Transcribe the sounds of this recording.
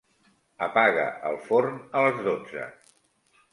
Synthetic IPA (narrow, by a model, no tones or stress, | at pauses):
əpaɣə̰ʔəlˠfornələzðod͡zə̰